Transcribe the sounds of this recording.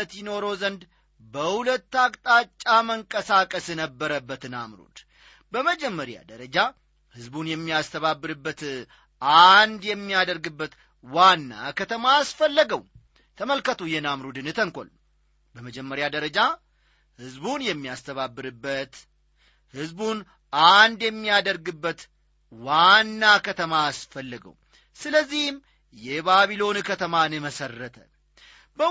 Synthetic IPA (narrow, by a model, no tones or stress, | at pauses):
t̪jɪno̞ɾo̞zənd̪ | bəhulət̪ːakʼt̪ʼat͡ʃʼːaməŋkʼəsakʼəsnəbːəɾəbːət̪ɨnamɾṵd̪̥ | bəməd͡ʒɛmːəɾja̰d̪əɾəd͡ʒa | hɨzbunjɛmːijast̪ʰəβabːɨɾɨbːət̪ | ʔand̪jɛmːijad̪əɾɡɨbːət̪ | wanːa̰kʰət̪ʰəmaasfəlːəɡəw | t̪ʰəməlkət̪ʰojɛnamɾud̪ɨnɨt̪ʰəŋkʷʼo̰l | bəməd͡ʒɛmːəɾjad̪əɾəd͡ʒa | hɨzbunjɛmːiast̪ʰəβabːɨɾɨbːət̪ | hɨzbun | and̪jɛmːijad̪əɾɡɨbːət̪ | wanːakʰət̪ʰəmaːsfəlːəɡə̰w | sɨləzːihm | jɛbaβilo̞nkʰət̪ʰəmanɨməsərːət̪ʰə | bə